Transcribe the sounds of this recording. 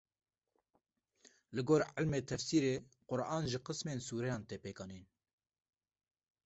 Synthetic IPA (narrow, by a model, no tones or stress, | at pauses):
lɨɡoːɾʕəlmeːt̪ʰɛfsiːɾeːqʊɾʔɑːnʒɪqɨsmeːnsuːɾɛjɑːnt̪eːpeːkɑːneːn